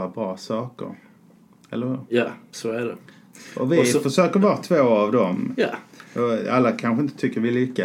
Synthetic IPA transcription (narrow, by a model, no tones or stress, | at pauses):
abɾɑːsɑːkə̰ɾ | ɛ̰lːəɾhʉɾjɑsɔæɖɛ | ɔvɪfœʂøːkəɾvɑːt̪ʰvoːavd̪ɔmjːɔalːakʰanɧəɪnt̪ə̥t̪ʰʏkːəɾvɪlʏkːa